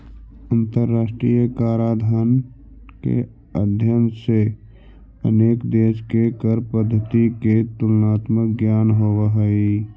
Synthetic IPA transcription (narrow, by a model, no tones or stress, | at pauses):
ə̃nt̪əɾːaːsʈɾijəkaːɾaːd̪ʱən | kḛ | əd̪ʱjənse | ə̰neːkd̪eːʃkekəɾpəd̪ʱːət̪iket̪ʊlnaːt̪məkɡjaːnɦoʋəɦəi